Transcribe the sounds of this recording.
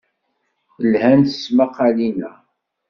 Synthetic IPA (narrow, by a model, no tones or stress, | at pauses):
lhænθə̥smaqːɑlinæ